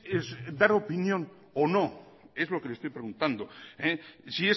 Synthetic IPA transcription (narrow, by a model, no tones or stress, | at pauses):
esd̪aɾo̞pinjon | ono̞ | e̞zlo̞kelest̪ojpɾe̞ɣunt̪and̪o̞esie